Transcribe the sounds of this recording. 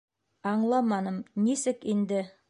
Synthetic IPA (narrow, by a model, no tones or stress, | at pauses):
ɑɴlˠɑmɑnɤmnisɘkind̪ɘ